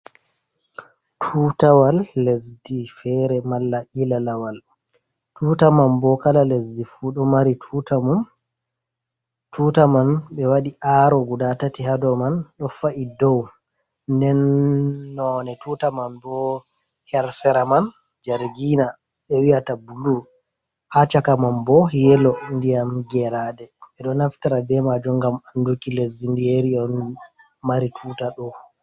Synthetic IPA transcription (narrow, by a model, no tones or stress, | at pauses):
tʰutawalːesdifɛɾɛmalːaʔilalawal | tuːtamanbɔkalalesdifuɗɔmaɾitʰutamum | tʰutamanɓɛwaɗiʔaːɾɔɡudatatihadɔmanɗɔfaʔidɔw | ndɛnː | ɔnɛtutamanbɔ | hɛɾsɛɾaman | d͡ʒaɾɡina | ɓɛwijatabulu | hat͡ʃakamanbɔjɛlɔndijamɡɛɾadɛɛɗɔnaftaɾabɛmad͡ʒuŋɡamandukilezindijeɾiɔn | maɾitʰuːtaɗɔ